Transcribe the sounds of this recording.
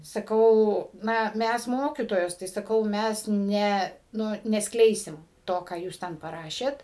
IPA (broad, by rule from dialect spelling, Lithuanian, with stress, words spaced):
sɐˈkɐʊ ˈnɐ ˈmʲæs ˈmoːkʲiːtoːjoːs tɐɪ ˈsɑːkɐʊ ˈmʲæs ˈnʲɛ ˈnʊ nʲɛsˈklʲɛɪsʲɪm ˈtoː kɑː ˈjuːs ˈtʲɛn pɐˈrɑːʃʲeːt